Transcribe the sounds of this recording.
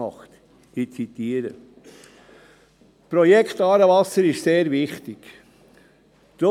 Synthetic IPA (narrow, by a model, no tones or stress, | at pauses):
ɑχt̪ | it͡sit̪iːəɾə | pɾɔjɛkʰt̪ɑːɾəvɑsəɾɪʃseːɾvɪχt̪ɪk | d̪̥o